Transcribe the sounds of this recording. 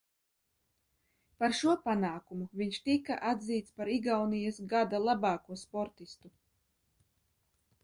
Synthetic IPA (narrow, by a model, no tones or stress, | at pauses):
paɾʃuɔpanaːkumuviɲʃt̪ika̰ʔad̪ziːt̪spaɾiɡawnijasɡad̪alˠabɑːkuɔspɔɾt̪ist̪u